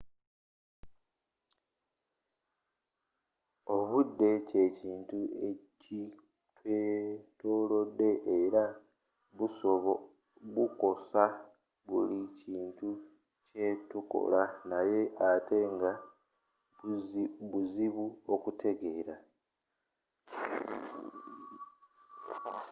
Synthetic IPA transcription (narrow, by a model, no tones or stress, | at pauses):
o̞βudːe̞ce̞ciːntue̞ci | tweto̞ːlo̞dːe̞ʔeɾa | βuso̞βo | βuko̞sa | βuliciːntu | ce̞tuko̞̰lanaje̞ʔate̞ŋɡa | βuziβuo̞kutʰe̞ɡe̞ːɾa